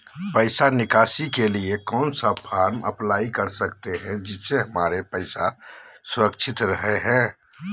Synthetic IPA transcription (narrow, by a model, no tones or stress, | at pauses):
pəɪsanɪkaːsikeliekɔːnsapʰaːɾmə̰plaːikəɾsəkt̪eɦɛ̃d͡ʒɪseɦəmaːɾepəɪsa̰sʊɾəkt͡ʃʰɪt̪ɾəɦeɦɛ̃ː